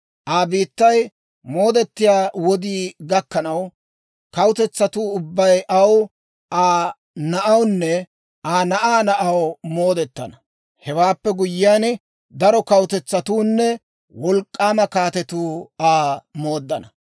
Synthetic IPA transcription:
ʔaːbiːt̪ːɐj | mo̞ːd̪ɛt̪ːɪjaːwɔd̪iːɡɐkːɐnɐw | kɐwt̪ɛt͡sːɐt̪uːʊbːɐjʔɐw | ʔaː | nɐʔɐwnːɛ | ʔaːnɐʔaːnɐʔɐwmo̞ːd̪ɛt̪ːɐnɐ | hɛwaːpːɛɡʊjːɪaːn | d̪ɐɾɔkɐwt̪ɛt͡sːɐt̪uːnːɛ | wɔlkʼːaːmɐkaːt̪ɛt̪uːaːmo̞ːd̪ːɐnɐ

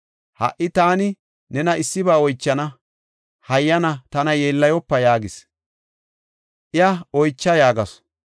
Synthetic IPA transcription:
hɐ̰ʔːɪt̪aːnɪ | nɛnɐɪsːɪbaːɔjt͡ʃːɐnɐ | hɐjːɐnɐt̪ɐnɐjeːlːɐjɔpːɐjaːɡɪs | ʔɪɐɔjt͡ʃːɐjaːɡɐs

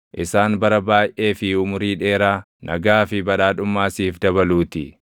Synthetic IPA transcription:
ʔɪsaːnbɐɾɐbaːjʔʔe̞ːfɪʊmʊɾiːᶑe̞ːɾaː | nʔɐ̰ɡaːfɪbɐᶑaːᶑʊmːaːsiːfd̪ɐbɐluːt̪ɪ

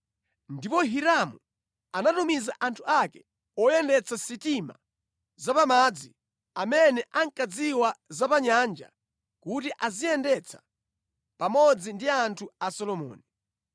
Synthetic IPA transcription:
ndipɔɦiɾamu | anatumizaʔantʰuakɛ̥ | ɔjɛndɛt͡sʰasitima̰ | zapamad͡zi | amɛnɛʔaŋkad͡ziwazapaɲand͡ʒa̰ | kutiʔazijɛndɛt͡sʰḁ | pamɔd͡zindiantʰuasɔlɔmɔ̰ːni

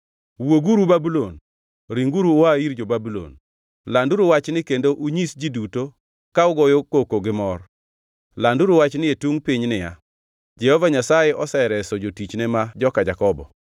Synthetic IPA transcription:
woɡuɾubabulon | ɾiŋɡuɾuːaiɾd͡ʒobabulo̰n | landuɾuwat͡ʃnɪkendoʔuɲisd͡ʒiduto | kaʊɡɔjokokoɡɪmɔr | landuɾuwat͡ʃnɪetuŋpɪɲnɪja̰ | d͡ʒɛhɔvaɲasajɛʔɔsɛɾɛsɔd͡ʒotit͡ʃnɛmad͡ʒɔkad͡ʒakɔbɔ̰

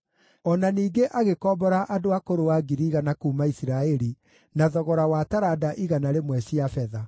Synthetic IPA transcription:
ɔnaniːɡeʔaɣekɔːbɔɾaʔadoakoɾowaɡiɾiːɣanakuːmaisiɾaɛɾi | naðɔɣɔɾawataɾadaʔiɣanaɾemwɛɕiafɛða

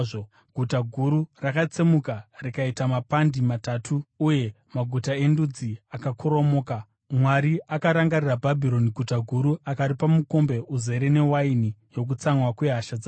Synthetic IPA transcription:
o | ɡʱutaɡʱuɾurakat͡semukarikaitamapandimatatʰuːje̞ | maɡʱutae̞ndud͡ziakakʰoɾo̞moːka | mwaɾiʔakaɾaŋɡarirabʱabʱiɾo̞niɡʱutaɡʱuɾuakaɾipamuko̞mbe̞ʔuze̞ɾe̞ne̞wainijo̞k̬ut͡saŋwakwe̞ɦaʃad͡za

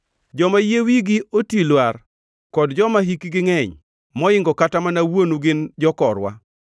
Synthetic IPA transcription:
d͡ʒɔmajewiɡɪotilwar | kɔdd͡ʒɔmaɦikiɡɪŋɛɲ | mɔɪŋɡɔkatamanawonuɡɪnd͡ʒɔkɔɾwa̰

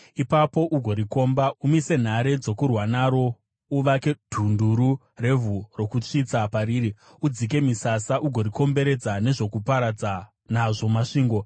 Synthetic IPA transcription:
ipapo̞ʔuɡʱo̞ɾiko̞ːmbaumise̞n̤aɾe̞d͡zo̞kurwanaɾo̞ | uʋake̞d̥ʱunduɾu | re̞vuro̞kut͡ʂit͡sapaɾiːɾi | ud͡zik̬e̞misasaʔuɡʱo̞ɾiko̞mbe̞ɾe̞d͡zane̞ʐo̞kupaɾad͡za | naʐo̞maʂiːŋɡo̞

